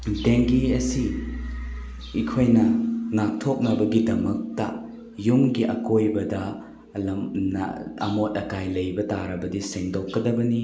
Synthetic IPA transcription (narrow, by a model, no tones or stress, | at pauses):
teŋɡiɐsi | kʰojnɐŋak̚tʰok̚nɐbɐɡidɐmɐk̚tɐ̰ | jumɡiʔɐkojbɐdɐ | lɐmnɐ̰ɐ̰mot̚ɐkajlɐjbɐtaɾɐbɐdiseŋdokːɐdɐbɐni